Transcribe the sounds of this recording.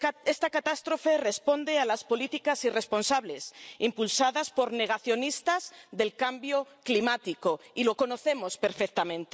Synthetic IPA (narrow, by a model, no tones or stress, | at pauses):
est̪akat̪ast̪ɾo̞fe̞re̞spo̞nd̪ealaspo̞lit̪ikasire̞spo̞nsaβle̞simpulsaðaspo̞ɾne̞ɣ̞aθjo̞nist̪azðe̞lkambjo̞klimat̪iko̞ilo̞ko̞no̞θe̞mo̞spe̞ɾfek̚t̪amẽ̞nt̪e